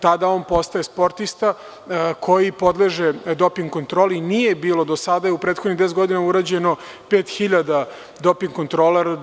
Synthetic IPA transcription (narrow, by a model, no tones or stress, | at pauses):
t̪ad̪aoːnpo̞st̪aje̞spo̞ɾt̪ist̪a | kʰo̞jipo̞d̪leʒed̪o̞piŋɡkont̪ɾoːlinije̞biːlˠo̞d̪osad̪ajeupɾeːt̪xonid̪esɡo̞d̪inauɾad͡ʑe̞no̞peːt̪xiʎad̪a | d̪o̞piŋɡkont̪ɾolaɾa